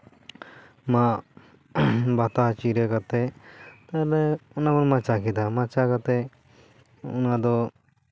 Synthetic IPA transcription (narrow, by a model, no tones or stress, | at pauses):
ma | bat̪at͡ʃiɾɛkat̪ɛt̪alɛunabɔɾmat͡ʃakid̪amat͡ʃakat̪ɛ | ṵnad̪ɔ